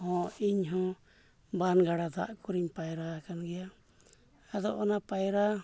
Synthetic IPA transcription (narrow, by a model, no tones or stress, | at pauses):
hɔ̃iɲɦɔ̃ | banɡaɽad̪a̰ʔkuɾiɲpajɾakanɡɛja | ad̪ɔʔɔnapajɾa